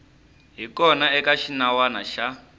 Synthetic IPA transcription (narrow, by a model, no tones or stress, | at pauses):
ɦikɔnaɛkaʃinawana̰ʃa